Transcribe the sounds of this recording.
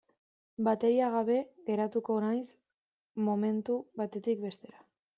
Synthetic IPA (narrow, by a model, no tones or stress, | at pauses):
bat̪e̞ɾiaɣ̞aβe̞ɣe̞ɾat̪uko̞ːnajs | mo̞me̞nt̪uβat̪e̞t̪ik̚be̞st̪e̞ɾa